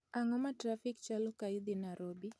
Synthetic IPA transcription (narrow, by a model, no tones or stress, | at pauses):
aŋɔmatɾafikt͡ʃalɔkaid̪inaɾɔbi